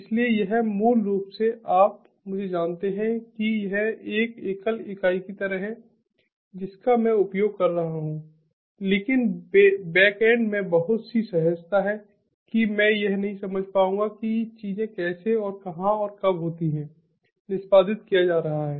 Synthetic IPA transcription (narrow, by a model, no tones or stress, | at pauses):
ɪsliejɐɦmuːlːoːɡseʔaːp̚ | mʊd͡ʒʱed͡ʒaːnt̪eɦɛ̃kijɐɦɛeːkeːkəlɪkaːikit̪ɐɾəɦɦɛ̃ | d͡ʒɪskamɛ̃ʊpjoːɡ̚kɐɾːɐɦaɦũ | leːkɪnbɛːkɛ̃ːɳɖmẽbɐɦʊt̪sisɐɦəst̪aɦɛ | kimɛ̃jɐɦnɐɦĩsɐməd͡ʒʱpaːũːɡakit͡ʃiːzẽkɛːseɔːɾkɐɦãɔːɾkɐbɦoːt̪iɦɛ̃ː | nɪspaːd̪ɪt̪kijad͡ʒaːɾɐɦaɦɛː